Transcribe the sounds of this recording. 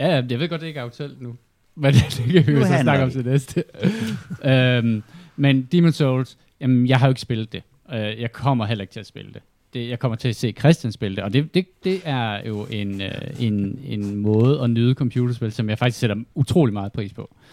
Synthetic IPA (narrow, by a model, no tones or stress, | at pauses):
jæjæjɑ̈ʋe̝ɡɒ̽d̥eeɡ̥ɑʊt͡sʰel̰d̥nu | ʋæd̥d̥eɡ̥əisɒnɑ̈ɡ̥ɐɒ̽md̥enesd̥ə | ømmend̥imonsɔls | jæmjɑ̈ɪɦɑ̈jo̝eɡ̥əsb̥e̝lð̥̩ˠd̥e̝ | øjɑ̈ɪkʰɒ̽m̰ɐɦelɐeɡ̥t͡sʰe̝æsb̥e̝ləd̥e̝ | d̥e̝jɑ̈ɪkʰɒ̽m̰ɐt͡sʰe̝æse̝̰ːkʰʁɛsd̥jænsb̥e̝ləd̥eɒ̽d̥e̝d̥e̝d̥e̝æɐjo̝ʔe̝nøe̝ne̝nmɔ̽ːð̞̩ˠɒ̽nyːð̞̩ˠəkʰɒ̽mpʰjuːɾ̥ɐsb̥e̝lsɒ̽mjɑ̈ɪfɑ̈ɡ̥isseɾ̥ɐut͡sʰʁo̝̰ːlimɑ̈ːð̞̩ˠpʰʁḭːspʰɒ̽